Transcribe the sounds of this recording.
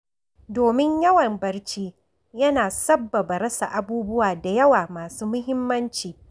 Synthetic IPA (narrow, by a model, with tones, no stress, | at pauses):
doː˨mɪ˦ɲjɐ˦wɐ˨mbɐ˦rt͡ʃiː˦ | jɐ˦naː˨sɐ˦bːɐ˨ba˨ɾɐ˦sa̰˨ʔa˦buː˦bʊ˦waː˨da˨jɐ˦waː˨maː˨suː˦mʊ˦ɦɪ˦mːɐ˦nt͡ʃiː˨